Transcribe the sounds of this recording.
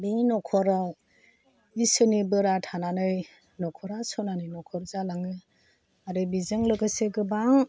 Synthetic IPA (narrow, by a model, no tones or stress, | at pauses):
binɔkʰɔɾaw | isɯnibɯɾatʰananɯj | nɔkʰɔɾasɔnaninɔkʰɔɾzalaŋɯ | aɾɯbizɯŋlɯkɯseɡɯbaŋ